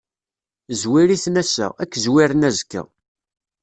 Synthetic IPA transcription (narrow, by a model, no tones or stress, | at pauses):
zwiɾiθnæsæ̰ækːzwiɾənæzkːæ̰